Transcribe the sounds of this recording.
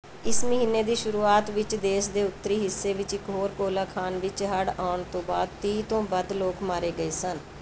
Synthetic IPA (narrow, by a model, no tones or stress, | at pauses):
ɪsməɦiːnːeːd̪iːʃʊɾuːaːt̪ʋɪt͡ʃd̪eːʃd̪eːʊt̪ːəɾiːɦɪsːeːʋɪt͡ʃɪkɦoːɾkoːlaːkʰaːnʋɪt͡ʃɦəɽaːɳt̪õːbaːd̪̚t̪iːt̪õːbəd̪loːkmaːɾeːɡəeːsən